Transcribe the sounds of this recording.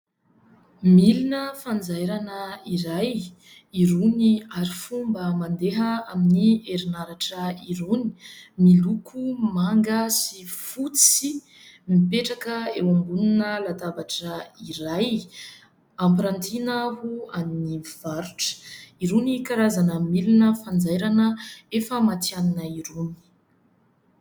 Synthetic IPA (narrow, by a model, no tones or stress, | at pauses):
milinəfand͡zajɾanəiɾaj | iɾuniaɾifumbəmand̪eɦəaminieɾinaɾaʈ͡ʂəiɾuni̥milukʰumaŋɡəsifut͡si | mipeʈ͡ʂakəewambununəlat̪avaʈ͡ʂəiɾaj | ampiɾant̪ʰinəɦuaniniv̥aɾuʈ͡ʂə̥iɾunikaɾazanəmilinəfand͡zajɾanəefəmat̪ianinəiɾuni̥